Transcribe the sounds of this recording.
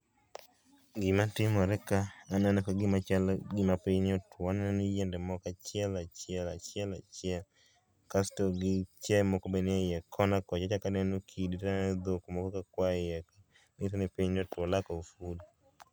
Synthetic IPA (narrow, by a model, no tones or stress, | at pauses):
ɡimatimɔɾɛkaːnanɛkaɡɪmalɡimapenɔtʰwanaanid͡ʒɛndɛmɔkat͡ʃjɛlat͡ʃjɛlat͡ʃɛlat͡ʃa | kastɔɡit͡ʃamɔkɔbɛniajɛkʰɔnakɔt͡ʃat͡ʃakanɛnukʰidianɛd̪okumɔkɔkakwajɛka | nɪtanɛpenɔtwɔlakɔfudi